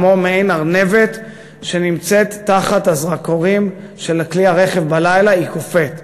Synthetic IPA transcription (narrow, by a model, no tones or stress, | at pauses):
momeejnaʁne̞vet̪ | ʃe̞nimt͡set̪ːaχat̪azʁakoʁim | ʃe̞lakliaʁe̞χevbalajlaikofet̪